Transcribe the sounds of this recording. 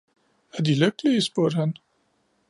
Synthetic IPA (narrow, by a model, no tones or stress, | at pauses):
æɐd̥iløɡ̥əliəsb̥uɐ̰d̥hæn